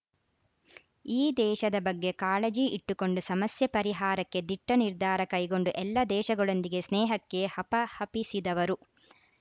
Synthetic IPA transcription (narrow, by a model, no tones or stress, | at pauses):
iːd̪ɛːʃɐd̪ɐbɐɡːe̞kaːɭɐd͡ʒiʔiʈːuko̞ɳɖusɐmɐsjɐpɐɾiɦaːɾɐkːe̞d̪iʈːɐniɾd̪ʱaːɾɐkɐjɡo̞ɳɖuʔɛlːɐd̪ɛːʃɐɡɐɭo̞nd̪iɡe̞snɛːɦɐkːe̞hɐpɐhɐpisid̪ɐʋɐɾu